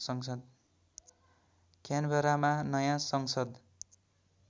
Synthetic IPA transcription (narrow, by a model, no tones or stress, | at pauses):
sʌŋsʌd̪̚ | kanbʱʌɾamanʌjãsʌŋsʌd̪